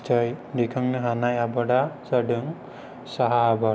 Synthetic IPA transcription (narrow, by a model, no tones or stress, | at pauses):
t͡ʃajdikʰaŋnɯɦanajabaɖasaɖɯŋ | saɦaːba